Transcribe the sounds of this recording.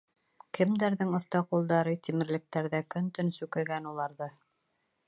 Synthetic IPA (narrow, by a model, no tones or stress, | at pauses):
kʰɘ̆md̪æɾðɘŋŏθt̪ɑqulˠd̪ɑɾɤt̪imɘ̆ɾlɘ̆k̚t̪æɾðækɵnt̪ɵnsʉkɘ̆ɡænulˠɑɾðɤ